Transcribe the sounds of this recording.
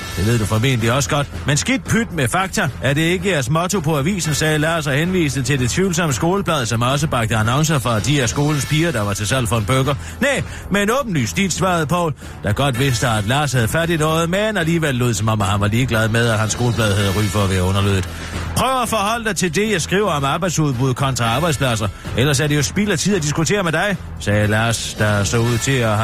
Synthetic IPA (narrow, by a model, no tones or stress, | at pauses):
d̥e̝ʋe̝ð̞̰ˠd̥ufɒ̽me̝̰ːn̥liɒ̽sə̥ɡ̥ɒ̽d̥mensɡ̥id̥̚pʰyd̥mefɑ̈ɡ̥̚t͡sʰææɐɾe̝e̝ɡ̥əjæɐsmɒ̽t͡sʰo̝pʰɒ̽æʋḭːsn̩sɛːlɑ̈ːsɐhenʋḭːsd̥̩t͡sʰe̝ld̥e̝t͡sʰʋiʊl̩sɒ̽məsɡ̥o̝ːləb̥ʰlɛːð̞ˠsɒ̽mɒ̽s̬əb̥ɑ̈ɡ̥̚d̥əænɑ̽ŋsɐfɒ̽d̥iæɐsɡ̥o̝ːln̩spʰiːɐd̥ɑ̈ʋɑ̈t͡sʰe̝sæl̰fɒ̽enb̥øɡ̥ɐ | neː | mee̝nɔːb̥n̩ly̰sd̥id̥sʋɑ̰̈ːðˠpʰɒ̽ʊ | d̥ɑ̈ɡ̥ɒ̽d̥ʋe̝sd̥əæd̥lɑ̈ːshæð̞ˠəfæɐd̥inɔð̩ˠmenæliːʋel̰ːo̝ːð̩̰ˠsɒ̽mɒ̽mhænʋɑ̈liːɡ̥læð̞ˠmeð̞ˠɒɦænsɡ̥o̝ːləpʰlɛːð̞ˠhæðˠʁy̰ːfɒ̽ːʋæːɐɔ̽nɐløð̰ˠð̩ˠ | pʰʁœʊɐæfɒ̽hɒ̽l̰d̥ɑ̈ɪt͡sʰe̝ld̥e̝jɑ̈ɪsɡ̥ʁiːʊ̰ɐɒ̽mɑ̈ːb̥ɑ̈ɪd̥suðˠb̥uðˠkʰɒ̽nt͡sʰʁɑ̈ɑ̈ːb̥ɑ̈ɪdspʰlæs̬ɐ | ʔelɐs̬æɐɾ̥e̝josb̥ilæt͡sʰið̰ˠd̥is̬ɡ̥ut͡sʰe̝̰ːɐmed̥ɑ̈ɪ | sɛːlɑːsd̥ɑsɒ̽uð̰ˠt͡sʰe̝ɒ